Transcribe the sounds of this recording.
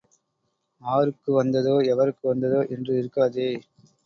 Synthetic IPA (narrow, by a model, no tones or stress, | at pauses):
aːɾɯkːɯʋɐnd̪ɐðoːɛʋɐɾɯkːɯʋɐnd̪ɐðoːʔɛndrɯɪɾɯkːaːðeː